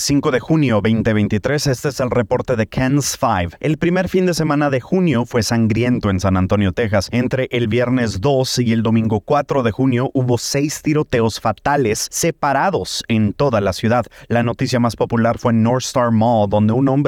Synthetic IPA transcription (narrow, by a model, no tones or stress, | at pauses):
siŋko̞ðe̞xunjo̞βejnt̪e̞βe̞jnt̪it̪ɾe̞se̞st̪eeselre̞po̞ɾt̪e̞ðe̞kʰansfajve̞lpɾime̞ɾfind̪e̞se̞mãnaðe̞xunjo̞fwe̞saŋɡɾje̞nt̪o̞e̞nsanant̪o̞njo̞t̪e̞xase̞nt̪ɾe̞ʔelβje̞ɾne̞zðo̞sield̪o̞mĩŋɡo̞kwat̪ɾo̞ðe̞xunjo̞ʔuβo̞se̞jst̪iɾo̞t̪e̞o̞sfat̪ale̞sːe̞paɾaðo̞se̞nt̪o̞ðalasjuðaðlano̞t̪isjamaspo̞pulaɾfwe̞nːoɾst̪aɾmod̪o̞nd̪e̞unõ̞mbɾ